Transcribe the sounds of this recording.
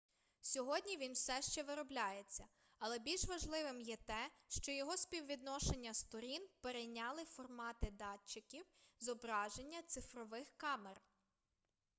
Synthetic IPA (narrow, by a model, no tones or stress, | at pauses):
sʲɔɦɔdʲnʲiʋʲinwsɛʃt͡ʃɛʋɪɾɔblʲajet͡sʲːɐ | ɐlˠɛbʲilʲʃʋɐʒlˠɪʋɪmjɛt̪ɛʃt͡ʃɔjɔɦɔspʲiwʋʲid̪nɔʃe̞nʲːɐst̪ɔɾʲinpeɾejnʲɑlˠɪfɔrmɑt̪ɪd̪ɑt͡ʃːɪkʲiwzɔbɾɑʒenʲːɐt̪sɪfɾɔʋɪxkɑmer